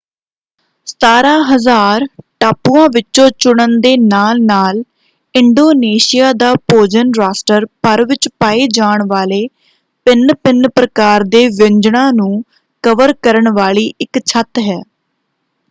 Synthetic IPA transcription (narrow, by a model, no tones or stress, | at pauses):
saːɾãːɦəzaːɾʈaːpuːãːʋɪt͡ʃʃõːt͡ʃʊɳ̃ənd̪eːnaːlnaːl | ɪɳɖoːneːʃijaːd̪aːpoːd͡ʒənɾaːsʈəɾpəɾʋɪt͡ʃpaːeːd͡ʒaːɳʋaːleː | pɪnpɪnpɾəkaːɾd̪eːʋɪɲd͡ʒɳãːnũː | kəʋəɾkəɾəɳʋaːliːʔɪkt͡ʃʰət̪ɦɛː